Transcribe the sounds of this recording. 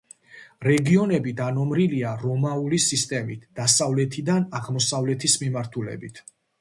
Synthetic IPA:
ɾɛɡiɔnɛbid̪anɔmɾiliaɾɔmaulisist̪ʼɛmit̪ʰd̪̥asavlɛt̪ʰid̪anaʁmɔsavlɛt̪ʰismimaɾt̪ʰulɛ̰bit̪ʰ

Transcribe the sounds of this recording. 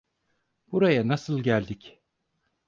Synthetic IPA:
b̥uɾajanasɯlˠɟælʲd̪ic

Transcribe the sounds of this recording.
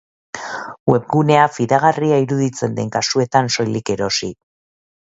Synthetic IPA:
we̞pɡune̞afiðaɣ̞ariaiɾuðit͡se̞nd̪e̞ŋkasue̞t̪anso̞jlike̞ɾo̞si

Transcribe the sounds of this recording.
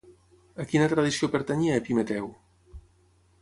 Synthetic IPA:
əkinət̪ɾəðisiopəɾt̪əɲiɛpimət̪ɛw

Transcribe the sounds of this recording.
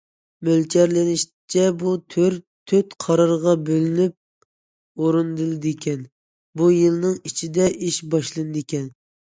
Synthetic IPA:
mølt͡ʃʰæɾlɪniʃ | t͡ʃʰɛbut̪ʰøɾ | t̪ʰøt̪qʰɑɾɑɾʁɑbølɪnyp̚ | oɾɨnd̪ɨlˠɨd̪ɪkʲɛn | bujɨlˠnɨŋit͡ʃʰid̪ɛʔiʃbɑʃlˠɨnɨd̪ekʲɛn

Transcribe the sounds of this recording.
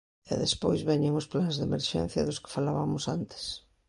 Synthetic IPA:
ɛ̰ðespojzβɛɲeŋʊsplanzðemeɾʃɛ̰n̟θjɐðʊskɪ̥falaβamʊsant̪ɪ̥s

